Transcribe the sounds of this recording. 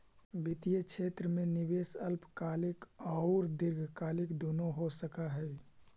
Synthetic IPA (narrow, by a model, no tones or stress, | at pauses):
bɪt̪ijəkʃʰeːt̪ɾəmẽnɪʋeːsəlpkaːlɪkɔʊɾd̪ɪɾɡʱkaːlɪkd̪oːnoɦosəkaɦɛ